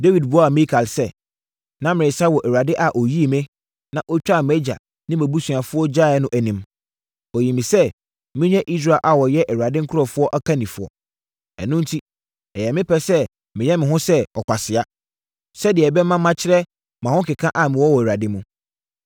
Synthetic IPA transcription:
de˦wi˨dbu˦a˦a˨mɪ̃˦kʰa˨lsɛ˦˨ | nã˦mɪ̃˨ɪ̃˨sa˦wɔ˨ʔæ˨wa˨dɪ˦ʔa˨ʔo˨ji˦˨mɛ̃˦ | nã˨ʔɔ˦t͡ɕᶣa˦˨mɛ˦d͡ʑa̰˨ | nɪ̃˦mæ̃˨bu˦su˨a˨fʊ˦ɔ˦d͡ʑa˦˨˦nʊ̃˦ʔæ˨nĩ˦m | ɔ˨ji˨mĩ˨sɛ˦ | mɪ̃˦ɲɛ̃˦ʔi˦s̬ɾa˨lʔa˨wɔ˨jɛ˦ʔɛ˨wu˨a˨dɪ˦ŋ̩˦kʰʊ˦ɾɔ˨fʊ˦ɔ˦ʔa˦kʰa˦nĩ˨fʊ˦ɔ̰˨ | ɛ̰˨nʊ̃˦n̩˦tʰi˦ | ɛ˨jɛ˨mɪ̃˦pʰɛ˦sɛ˦ | mɪ̃˨jɛ˦mɪ̃˨ɦʊ̃˦sɛ˦ɔ˨kʷʰa˨sɪ˨a˦ | sɛ˦dɪ˨ɛ˨bɛ˦mã˦mã˦t͡ɕʰɪ˦ɾɛ˦ | mã˨hʊ̃˦kɪ˨kʰã˦ʔa˨mɪ̃˨wɔ˦wɔ˨æ˨ɾa˨dɪ˦mũ˦

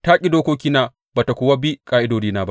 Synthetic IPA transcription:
taː˦kʲʼi˦doː˦kʷoː˦k̬ʲiː˦naː˦˨ | baː˨ta˨kʷʊː˦wa˦bi˦kʼaː˦ʔɪ˦doː˨diː˦naː˦ba˦

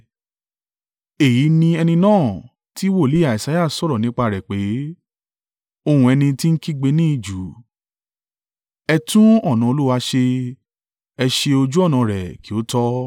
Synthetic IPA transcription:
e˨ji˨˦nĩ˧ɛ˧nĩ˧nãː˦˨ | ti˨˦wo˦˨le˦a˨i˨sa˨˦ja˦˨sɔ˦˨ɾɔ˨nĩ˨˦k͡pa˧ɾɛ˨k͡pe˨˦ | o˧hũ˧ɛ˧nĩ˧ti˦n̩˦ki˦ɡ͡be˧nĩ˦i˦˨d͡ʒu˨˦ | ɛ˧tũ˦ɔ˦˨nã˨o˧lu˦wa˦ʃe˧ | ɛ˧ʃe˧o˧d͡ʒu˦ɔ˦˨nã˨˧ɾɛ˨ki˨o˨˦tɔ˦

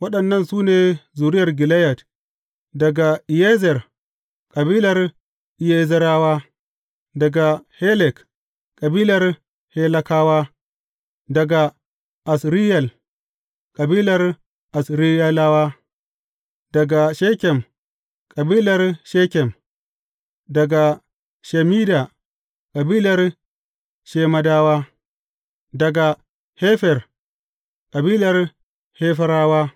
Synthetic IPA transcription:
wɐ˦ɗɐ˨nːɐ˦˨nsuː˦neː˨zuː˨ɾɪ˦jɐ˨rɡɪ˨lɛ˦jɐ˨t | dɐ˨ɡa˨ʔɪ˨je˦zɛ˨r | kʼɐ˨biː˦lɐ˨r | ʔɪ˨je˦zɐ˦ɾaː˦waː˦ | dɐ˨ɡa˨he˦lɛ˨k | kʼɐ˨biː˦lɐ˨r | he˦lɐ˦kaː˦waː˦ | dɐ˨ɡa˨ | ʔa˨sɾi˦jɐ˨l | kʼɐ˨biː˦lɐ˨r | ʔa˨sɾi˦ja˦laː˦waː˦ | dɐ˨ɡa˨ʃeː˦kʲɛ˨m | kʼɐ˨biː˦lɐ˨rʃeː˦kʲɛ˨m | dɐ˨ɡa˨ | ʃɛ˨miː˦da˨ | kʼɐ˨biː˦lɐ˨r | ʃeː˦mɐ˦daː˦waː˦ | dɐ˨ɡa˨ | heː˦ɸɛ˨r | kʼɐ˨biː˦lɐ˨r | heː˦fɐ˦ɾaː˦waː˦

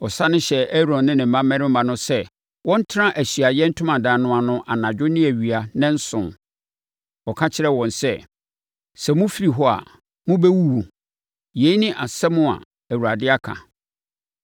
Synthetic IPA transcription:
ɔ˨sa˦nʊ̃˦ɕɛ˨ɛ˦ɾɔ̃˨nːɪ̃˦nɪ̃˨m̩˨mã˦mːɛ̃˦ɾɪ̃˦m̩˦mã˨nʊ̃˦sɛ˦ | wɔ̃˦n̩˦tʰɪ˦ɾã˦ʔæ˨ɕɥa˨jɛ˦n̩˦tʰʊ̃˦mã˨dãː˨nʊ̃˦a˨nʊ̃˦ʔa˨nã˨d͡ʑᶣʊ˦nɪ̃˦æ˨ɥi˨a˨nɪ̃˦n̩˦sʊ̰̃˨n | ɔ˨kʰã˦t͡ɕʰɪ˦ɾɛ˦wɔ̃˨nsɛ˦ | sɛ˨mʊ̃˦fi˦ɾi˨ɦɔ˦a̰˨ | mʊ̃˦bɛ˦wu˦wu˨ | je˨i˦nɪ̃˦ʔa˨sɛ˦mʊ̃˦a̰˨ | æ˨wu˨ɾa˨dɪ˦a˦kʰã̰˨

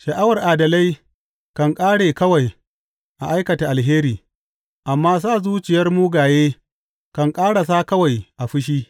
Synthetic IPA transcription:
ʃɐ˨ʔa˦wɐ˨rʔaː˨dɐ˨la˦j | kɐ˨ŋkʼaː˦ɽeː˨kɐ˦wa˨j | ʔa̰˨ʔa˦jkɐ˨ta˨ʔa˨lɦeː˦ɾiː˨ | ʔa˨mːaː˦s̬aː˦˨zuː˦t͡ʃɪ˨jɐ˦rmuː˦ɡaː˨jeː˦ | kɐ˨ŋkʼaː˦ɽa˨s̬aː˦kɐ˦wa˨jʔa˨ɸɪ˦ʃ̬iː˦

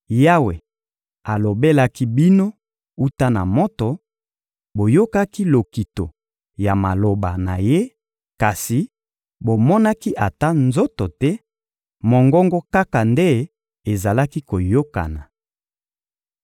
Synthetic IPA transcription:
ja˦we˨ | a˨lo˨be˦la˦ki˦bi˦no˦ | u˦ta˦na̰˨mo˦to˨ | bo˨jo˦ka˦ki˦lo˨ki˨to˨ | ja˨ma˨lo˨ba˨na̰˨je˦ | ka˨si˨ | bo˨mɔ˦na˦ki˦ʔa˨ta˦nzo˦to˨tɛ˦ | mo˨ŋɡɔ˦ŋɡɔ˦ka˦ka˨nde˦ | e˨za˨la˦ki˦ko˨jo˦ka̰˨na˨

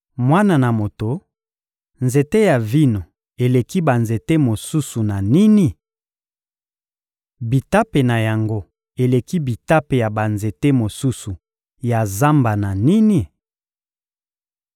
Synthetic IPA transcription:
mwa˦na˨na˨mo˨to˨ | nze˨te˦ja˨vi˦no˨ | e˨le˨ki˦ba˨nze˨te˦mo˨su˦su˨na˨ni˦ni˦ | bi˨ta˦pe˨na˨ja˨ŋɡo˦ | e˨le˨ki˦bi˨ta˦pe˨ja˨ba˨nze˨te˦mo˨su˦su˨ | ja˨za˦mba˨na˨ni˦ni˦

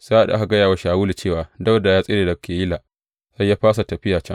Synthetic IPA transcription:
sa˦ʔa˨ɗa̰˨ʔa˦ka˨ɡɐ˦jaː˨wa˦ʃaː˨wuː˦li˨t͡ʃeː˦˨waː˨dɐ˦da˨jaː˦sʼɪ˦ɾeː˨dɐ˨kʰeː˨i˦laː˨ | sɐ˦jaː˦ɸaː˦s̬a˨tɐ˨ɸɪ˦jaː˨t͡ʃɛ˦ŋ

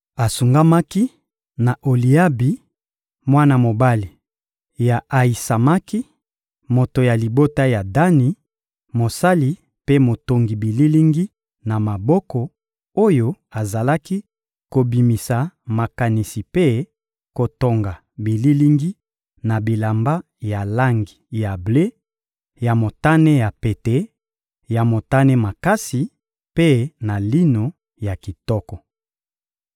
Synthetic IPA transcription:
a˨su˨ŋɡa˦ma˦ki˦ | na˨ʔo˨li˨a˦bi˨˦ | mwa˦na˨mo˨ba˦li˨ | ja˨ʔa˨i˨sa˨ma˦ki˦ | mo˨to˨ja˨li˨bo˦ta˦ja˨da˦ni˨ | mo˨sa˦li˨ | pe˦mo˨to˨ŋɡi˨bi˨li˦li˦ŋɡi˦ | na˨ma˨bɔ˦kɔ˨ | o˦jo˦ | a˨za˨la˦ki˦ | ko˨bi˨mi˨sa˨ma˨ka˨ni˨si˨pe˦ | ko˨to˨ŋɡa˨ | bi˨li˦li˦ŋɡi˦ | na˨bi˨la˨mba˦ | ja˨la˦ŋɡi˨ja˨ble˦ | ja˨mo˨ta˦ne˦ja˨pe˨te˨˦ | ja˨mo˨ta˦ne˦ma˨ka˦si˨ | pe˦na˨li˦no˨ | ja˨ki˨tɔ˦kɔ˨

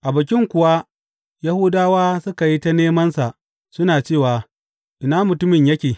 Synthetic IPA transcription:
ʔa˨bɐ˨kʲɪ˦ŋkʷʊ˨wa˦ | ja˦hʊ˦daː˦waː˦sʊ˦ka˨ji˦ta˦neː˦mɐ˦nsa˨ʔ | sʊ˦naː˨t͡ʃeː˦˨waː˨ | ʔɪ˨naː˦mʊ˨tʊ˦mɪ˨ɲjɐ˦kʲeː˨

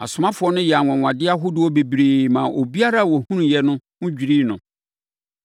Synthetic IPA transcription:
a̰˨sʊ˨mã˦fʊ˨ɔ˦nʊ̃˦jɛ˨a˨ŋɔ̃˨ŋ˨ã˨dɪ˦a˦ɦʊ˦dʊ˨wɔ˦be˨bɾeː˨mã˨ʔo˨bi˦a˦ɾa˦˨wɔ˨hũ˦n˨jɛ˨nʊ̃˦ŋʊ̃˦d͡ʑᶣi˨ɾiː˦nʊ̰̃˨

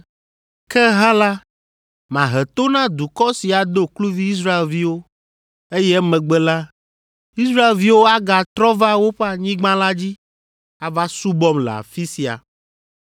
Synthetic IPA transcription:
kɛ˦ɦã˦la˦ | mã˨ɦɛ˨t̪o˦nã˦d̪u˨kɔ˦si˨a˨d̪o˦klu˦vi˦i˦s̬ɾa˦e˨lvi˦wo˦ | e˦jɛ˦mɛ̃˨ɡ͡bɛ˦la˦ | i˦sɾa˦e˨lvi˦wo˦a˦ɡa˨t̪ɾɔ˦va˦wo˦ɸe˦a˨ɲĩ˦ɡ͡bã˦la˦d͡ʑi˦ | a˨va˦su˦bɔ˦mlɛ̰˨a̰˨fi˦si˨a̰˨

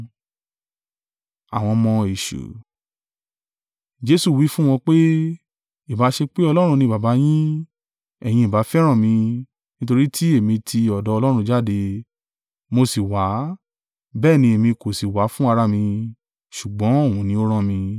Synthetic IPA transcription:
a̰˨w̃ɔ̃˧mɔ̃˧e˨ʃṵ˨ | d͡ʒe˧˦su˦˨wi˨˦fũ˦w̃ɔ̃˧k͡pe˦ | i˨ba˨˦ʃe˧k͡pe˦ɔ˧lɔ˦ɾ̃ũ˧nĩ˧˨ba˨ba˨˦j̃ĩ˦ | ɛ˨j̃ĩ˧˨ba˨˦fɛ˦ɾ̃ã˦˨mĩ˧ | nĩ˦to˧ɾi˦tʰi˦e˦˨mĩ˧tʰi˧ɔ˨dɔ˨˧lɔ˦ɾ̃ũ˧d͡ʒa˦˨de˧ | mo˧si˨wa˨˦ | bɛː˦˨nĩ˧e˨mĩ˧ko˨si˨wa˨˦fũ˦a˧ɾa˦˨mĩ˧ | ʃu˨ɡ͡bɔ̃˨˦o˦˨ũ˨˧nĩ˧o˦ɾ̃ã˦˨mĩ˧

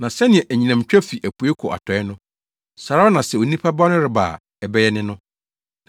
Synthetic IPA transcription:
nã˨sɛ˦nɪ̃˨ɛ̃˨ʔæ˨ɲĩ˨nã˨m˨t͡ɕᶣɛ˦fi˨ʔæ˨pʰu˨˦e˦kʰɔ̰˨ʔa̰˨tʰɔ˨ɛ˦nʊ̃˦ | sa˨ɾa˦ɔ˦nã˨sɛ˨o˨˦nĩ˦pʰa˦ba˦nʊ̃˦ɾɪ˨ba̰ː˨ | ɛ˨bɛ˦jɛ˦nɪ̃˦nʊ̃˦

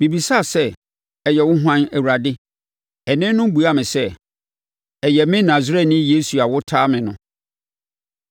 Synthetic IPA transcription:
mĩ˨bi˨sa˦˨sɛ˦ | ɛ˨jɛ˨wʊ˦ɦwã˦næ˨wu˨a˨dɪ˦ | ɛ˨nɪ̃˦nʊ̃˦m˦bu˨a˦mɪ̃˨sɛ˦ | ɛ˨jɛ˨mɪ̃˦nã˨zɾɛ˦˨nɪ̃˦je˦su˨a˨wʊ˦tʰaː˦mɪ̃˨nʊ̃˦

